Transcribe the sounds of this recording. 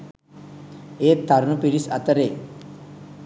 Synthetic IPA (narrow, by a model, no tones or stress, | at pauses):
eːt̪ːaɾunupiɾisat̪əɾe